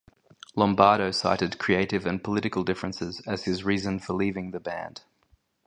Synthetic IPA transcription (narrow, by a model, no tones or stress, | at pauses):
lɒ̃mbɑːɾəʊsɑ̰ɪɾɪd̚kʰɹ̥ieɪɾɪvə̃npʰəlɪɾɨkəlˠdɪfɹə̃nsɪzəz̥ɪzɹiːzə̃nfəliːvɪ̃ŋðəbæ̰̃nd̥